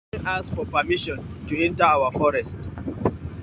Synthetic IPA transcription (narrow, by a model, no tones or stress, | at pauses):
ʔasfɔpamiʃɔ̃ntuɛ̃ntɐawɐfɔɾɛst